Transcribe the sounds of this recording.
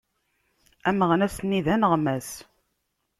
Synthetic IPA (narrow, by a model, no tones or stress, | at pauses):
æməʁnæsnːiðænəʁmæs